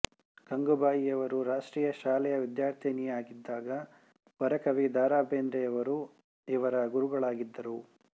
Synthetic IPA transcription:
ɡ̥ɐŋɡubaːjijɐʋɐɾuɾaːʂʈɾiːjɐʃaːlɛjɐʋid̪jaːɾt̪ʰinijɐaːɡid̪ːaːɡɐ | bɐɾɐkɐʋid̪aːɾaːbeːnd̪ɾɛjɐʋɐɾu | iʋɐɾɐɡuɾuɡɐɭaːɡid̪ːɐɾu

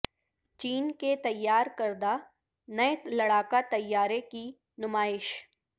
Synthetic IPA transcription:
t͡ʃiːnket̪ɐjːaːɾkɐɾd̪a | nɐlɐɽaːkat̪ɐjːaːɾeki | nʊmaːɪʃ

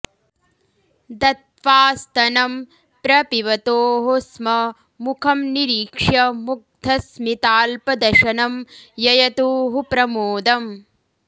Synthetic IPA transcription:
d̪ɐt̪̚ʋaːst̪ɐnɐm | pɾɐpiʋɐt̪oːɦosmɐ | mukʰɐmniɾiːkʂɐmuk̚d̪ʰʱɐsmit̪aːlpɐd̪ɐʃɐnɐmjɐjɐt̪uːɦupɾɐmuːd̪ɐm

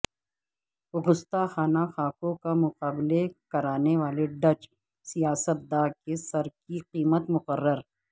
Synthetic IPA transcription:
ɣʊst̪axaːnaxaːkõkamʊqaːbɪlekɐɾaːneʋaːleɖɐt͡ʃ | sijaːsət̪̚d̪aːkesɐɾkiqiːmət̪mʊqərːəɾ

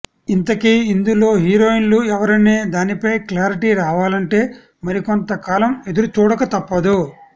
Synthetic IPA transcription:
int̪ɐkiːnd̪ulo̞ːɦiːɾo̞ːinluɛʋɐɾɐneːd̪aːnipɐjklaːɾiʈiɾaːʋaːlɐɳʈe̞ː | mɐɾiko̞nt̪ɐkaːlɐme̞d̪uɾut͡ʃuːɽɐkɐt̪ɐpːɐd̪u

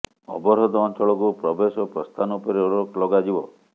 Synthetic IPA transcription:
ɔ̰bɔɾɦɔd̪ɔɔnt͡ʃʰɔɭɔkupɾɔbesɔpɾɔst̪ʰanupɔɾeuɽɔklɔɡad͡ʒibɔ

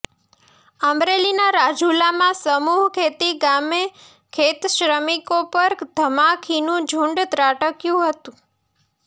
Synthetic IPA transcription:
əmɾelinaɾad͡ʒʱulamãsəmuɦkʰet̪iɡame | kʰet̪ʃɾəmikopəɾd̪ʱəmakʰinũd͡ʒʱũɳɖt̪ɾaʈəkjũɦət̪ũ

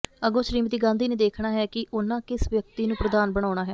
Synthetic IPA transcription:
əɡõːʃɾiːmət̪iːɡãːnd̪iːneːd̪eːkʰnaːɦɛːkɪʔʊnãːkɪsʋjək̚t̪iːnũːpɾəd̪aːnbəɽ̃aːʊɽ̃aːɦɛː

